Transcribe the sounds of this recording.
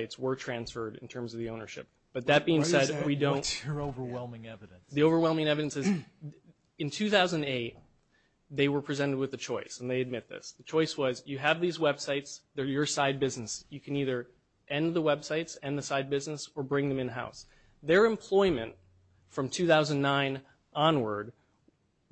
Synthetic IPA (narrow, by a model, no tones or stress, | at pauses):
ɪtswə˞tʰɹ̥æ̃nsfə˞ɾɨ̰̃n̩tʰɜ̃˞mzʌvðiõʊ̃nə̰˞ʃɪ̰p̚b̥ʌt̪̚ðɨt̚b̥iɪ̃ŋsɛdwidõʊ̃noʊvə˞wɛlˠmɪ̃ŋɛvɨɾ̃nsðioʊvə˞wɛlˠmɪ̃ŋɛvɨɾɨ̃nsɨz | ɨ̃ntʰʉθaʊzɨ̃neɪt̪̚ | ðeɪwə˞pʰɹ̥izɛ̃ɾ̃ɨd̚wɨðɨt͡ʃʰɔɪsn̩ðeɪɨd̚mɪt̪̚ðɪ̰sðɨt͡ʃʰɔɪswʌzjɨːvðizwɛb̥saɪtsðə˞jə˞saɪd̚bɪznɨsjɨkʰɨ̃niðə˞ | ʔɛ̃nðəwɛb̥saɪtsɛ̃nðɨsaɪd̚bɪznəsə˞bɹɪ̃ŋðɨ̃mɨ̃nɨɦa̰ʊs | ðə˞ɨ̃mpʰl̥ɔɪmɨ̰̃nt | fɹʌ̃mtʰʉθaʊzɨ̃n̩ːãɪ̃n | ʔɑ̃nwə̰˞d̚